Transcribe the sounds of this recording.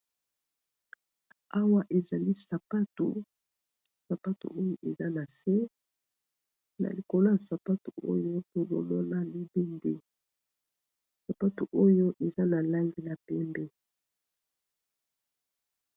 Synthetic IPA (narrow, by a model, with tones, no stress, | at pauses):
a˦wa˦ʔe˨za˨li˦sa˨pa˦tṵ˨ | sa˨pa˦tṵ˨ʔo˦jo˦ʔe˨za˦na˨sɛ˦ | na̰˨li˨ko˨lo˦ja˨sa˨pa˦tu˨ʔo̰˦jo˦ko˨lo̰˨lo˦la˦li˦be˦nde˦ | sa˨pa˦tu˨ʔo˦jo˦ʔe˨za˦na˨la˦ŋɡi˦la˨pɛ˦mbɛ˦